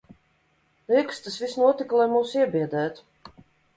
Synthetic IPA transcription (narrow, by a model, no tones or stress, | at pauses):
likst̪asvisnuɔt̪iklˠajmuːsiɛbiɛd̪ɛːt̪u̥